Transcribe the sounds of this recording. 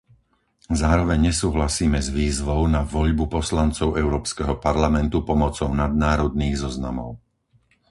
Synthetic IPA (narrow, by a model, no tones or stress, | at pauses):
zaːɾɔʋɛɲɲɛsuːɦlasiːmɛzʋiːzʋɔʊnaʋɔʎbupɔslant͡sɔʊɛʊɾɔːpskɛɦɔpaɾlamɛnt̪upɔmɔt͡sɔʊnad̪̚naːɾɔd̪̚niːɣzɔzna̰mɔ̰ʊ